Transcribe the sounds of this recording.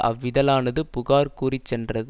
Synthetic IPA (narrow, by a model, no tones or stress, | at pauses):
ɐ̰ʋːɪðɐlaːnɐðɯpʊɣaːɾkuːrit͡ʃːɛndrɐð